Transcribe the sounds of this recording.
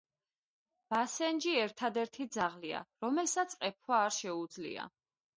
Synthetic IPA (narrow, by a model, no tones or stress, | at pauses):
b̥asɛnd͡ʒiɛɾt̪ʰad̪ɛɾt̪ʰid̪zaʁlia̰ɾɔmɛlsat̪sʼqʼɛp̚ʰwaːɾʃɛud̪zlḭa̰